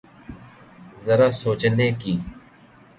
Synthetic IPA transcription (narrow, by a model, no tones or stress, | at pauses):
zəɾaːsoːt͡ʃneːkiː